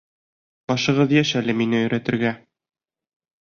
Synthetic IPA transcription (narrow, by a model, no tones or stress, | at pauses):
bɒʃɤ̆ʁɤðjæɕælɘminɘɵ̆jɾæt̪ɘ̆ɾɡæ